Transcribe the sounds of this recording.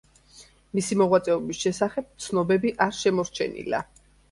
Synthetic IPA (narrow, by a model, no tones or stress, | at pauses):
misimɔʁwat̪sʼɛɔbisʃɛsaχɛb̚t̪sʰnɔbɛbiʔaɾʃɛmɔɾt͡ʃʰɛ̰nḭla̰